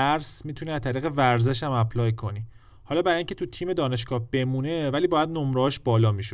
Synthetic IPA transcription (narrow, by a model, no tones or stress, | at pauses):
æɾsmiːt̪ʰuniæzt̪ʰæɾiːɣevæɾzeʃæmæpʰlɒːjkʰo̞ni | hɒːlɒːbæɾiŋcʰe̞t̪ʰut̪ʰiːme̞d̪ɒːne̞ʃkɒːhb̥e̞mune̞væliːbɒːjæd̪nomɾːɒʃbɒːlɒːmiʃo